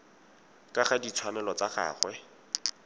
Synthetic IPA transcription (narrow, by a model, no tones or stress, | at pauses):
kʼaχadit͡sʰwanɛlɔt͡saχa̰ːχwɛ